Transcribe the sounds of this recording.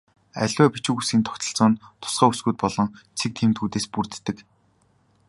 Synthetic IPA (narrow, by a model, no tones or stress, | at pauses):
æ̰ɮʲæːpit͡ɕŭkusɡʲiːnt̪ʰɔ̥kt̪ɞ̆ɬt͡sɔːnt̪ʰʊ̥sɢæːusɡuːt̪̚pɔɮɞ̆ŋt͡sʰek̚t̪ʰiːmt̪xuːt̪eːspurt̪ːɘ̆k